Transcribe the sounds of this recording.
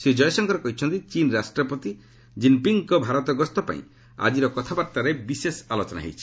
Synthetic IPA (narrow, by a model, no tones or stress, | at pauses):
sed͡ʒɔjɔsɔŋkɔɾekɔɦit͡ʃʰɔnt̪it͡ʃinɾasʈɾɔpɔt̪i | d͡ʒimpiŋkɔbʱaɾɔt̪ɔɡɔst̪ɔpa̰ḭ̃ | a̰d͡ʒiɾɔkɔt̪ʰabaɾt̪aɾebisesalot͡ʃɔna̰ɦḛjt͡ʃʰi̥